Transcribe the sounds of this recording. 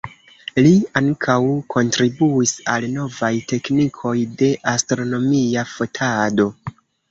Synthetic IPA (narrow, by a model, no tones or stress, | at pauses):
liaŋkʰawkʰo̞ntɾibuisalno̞vajte̞knikʰo̞jde̞ʔastɾo̞no̞miafo̞tʰado̞